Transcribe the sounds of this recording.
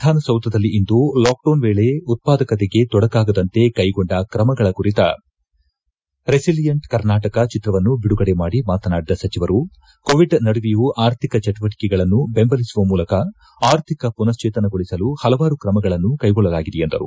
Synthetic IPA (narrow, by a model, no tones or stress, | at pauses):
d̪ʱaːnɐsɐwt̪ɐd̪ɐlːiind̪ulaːk̚ɖoːnʋeːɭe̞ut̪̚paːd̪ɐkɐt̪̬eɡe̞t̪ɔɽɐkaːɡɐd̪ɐnt̪e̞kɐjɡoɳɖɐkɾɐmɐɡɐɭɐkuɾit̪ɐ̰ | ɾesilijɐɳʈkɐɾnaːʈɐkɐt͡ʃit̪ɾɐʋɐnːubiɽuɡɐɽe̞maːɽimaːt̪ɐnaːɽid̪ɐsɐt͡ʃiʋɐɾu | koːʋiɖnɐɽuʋijuʔaːɾt̪ʰikɐt͡ʃɛʈiʋɐʈi̥kɛɡɐɭɐnːube̞mbɐlisuʋɐmuːlɐkɐ | aːɾt̪ʰikɐpunɐst͡ʃeːt̪ɐnɐɡoɭisɐluhɐlɐʋaːɾukɾɐmɐɡɐɭɐnːukɐjɡɔɭːɐlaːɡid̪ejend̪ɐ̰ɾṵ